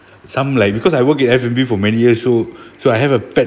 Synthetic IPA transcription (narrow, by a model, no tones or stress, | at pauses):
sãmlaɪk̚bikɔsajwəkɛtɛfɛ̃mbifɔmɛnijiəsːosoajɦɛvəfɛ